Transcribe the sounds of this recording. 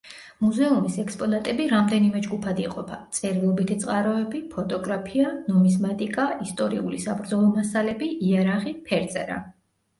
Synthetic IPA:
muzɛumisɛkspʼɔnat̪ʼɛbiɾamd̪ɛnimɛd͡ʒɡupʰad̪iqʼɔpʰat̪sʼɛɾilˠɔbit̪ʰit̪sʼqʼaɾɔɛbipʰɔt̪ʼɔɡɾapʰianɔmismat̪ʼikʼaist̪ʼɔɾiṵlisabɾd̪zɔlˠɔmasalɛbiʔiaɾaʁipʰɛɾt̪sʼɛɾa̰

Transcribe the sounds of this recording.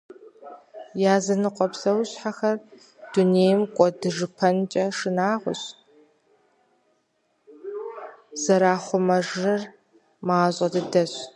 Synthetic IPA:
jaːzɐnɨqʷʼɔpsɐwɕħaxɐr | d̥uneːjmkʷʼɔdɨʐɨpʰɐnt͡ʃʼɐʂɨnaːʁʷʊ̰ɕ | z̥ɐɾaːχʷʊmɐʒɨr | maːɕʼɐdɨdɐɕ

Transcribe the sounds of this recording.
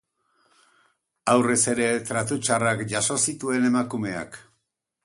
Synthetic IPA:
awre̞se̞ɾe̞t̪ɾat̪ut͡ʃarakʝaso̞sit̪ue̞ne̞makume̞a̰k

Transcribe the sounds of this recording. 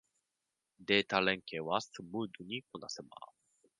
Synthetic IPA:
d̪e̞ːt̪aɾẽ̞ŋkeːβasɨmɯːd̪ɯɲ̟ikonasema̰

